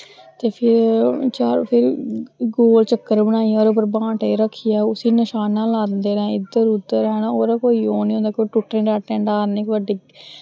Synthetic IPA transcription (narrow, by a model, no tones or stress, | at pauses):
t̪eːpʰɪɾt͡ʃaːpʰɪɾɡoːlt͡ʃəkːəɾbəɽ̃aːijaɔːɾoːp̬əɾbãːʈeːɾəkʰːijaːʊsiːnəʃaːnãːlaːd̪eːɾɛ̃ːɪd̪əɾʊd̪əɾɛːɽaːoːɾaːkoːiːoːniːõːnd̪aːkoːʈʊʈɾẽːɾaːʈːɛ̃ːɳɖaːɾnẽːkʋəɖiː